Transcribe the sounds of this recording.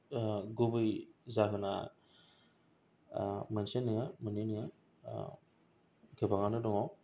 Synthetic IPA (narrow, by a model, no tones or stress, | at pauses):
ɡubɯjzaɦɯna̰ | mɐnsenːɯŋamɯninɯŋa̰ | ɡɯbaŋanɯdɔŋɔ